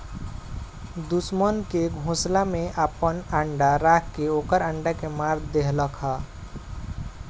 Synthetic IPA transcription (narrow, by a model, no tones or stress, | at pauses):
d̪usmənkeɡʱõslamẽʔəpənəɳɖaɾakkːeokəɾəɳɖakemaɾd̪eɦləkɦa